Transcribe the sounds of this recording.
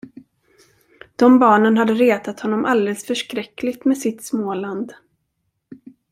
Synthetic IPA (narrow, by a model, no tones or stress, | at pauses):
d̪̥ɔmbɑːɳənɦad̪ːəɾeːt̪at̪hɔn̪ːɔmʔald̪eɛːləsfœʂkɾɛkːlɪɡt̪mɛsɪt̪smoːland̪